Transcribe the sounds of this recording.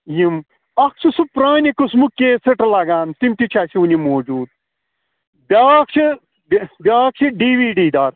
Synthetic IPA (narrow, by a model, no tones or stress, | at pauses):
jim | ɐksʰisupɾaːnikusmukːeːsɨʈɐlaɡaːnt̪imt̪it͡ʃʰasiunʲimoːd͡ʒuːd̪̚ | bʲaːk̚t͡ʃʰi | bbʲaːk̚t͡ʃʰiɖiːʋiːɖiːd̪aːɾ